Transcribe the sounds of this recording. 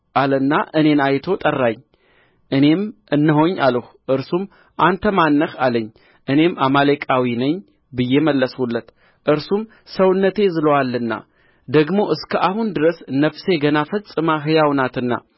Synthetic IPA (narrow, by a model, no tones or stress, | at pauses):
ʔalɨnːaʔɨne̞najt̪ʰo̞t̪ʼərːaɲː | ʔɨne̞mʔɨnːɨɦo̞ɲːaləh | ʔɨɾsum | ʔant̪ʰəmanːəhaləɲː | ʔɨne̞mamalekʼawinəɲː | bɨjːeməlːəswulːət̪ | ʔɨɾsum | səwɨnːət̪ʰe̞zɨlowalːɨnːa̰ | d̪əɡmo̞ʔɨskʰəʔahund̪ɨɾəsnəfse̞ɡənafəsʼɨmaɦɨjawnat̪ɨnːa̰